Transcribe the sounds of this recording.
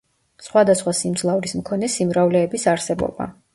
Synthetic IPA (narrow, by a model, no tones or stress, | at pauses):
sχwad̪asχwasimd̪zlˠavɾismkʰɔnɛsimɾavlɛːbisaɾsɛbɔ̰ba̰